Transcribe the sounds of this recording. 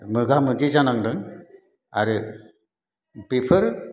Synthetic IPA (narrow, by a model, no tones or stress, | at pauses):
mɯɡamɯɡezanaŋdɯŋ | a̰ɾɯ | pepʰɯɾ